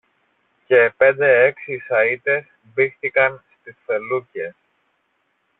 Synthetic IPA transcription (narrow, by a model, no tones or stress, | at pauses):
ce̞ːpe̞nd̪e̞e̞ksisɐit̪e̞s | bixθikɐnst̪isfe̞luce̞s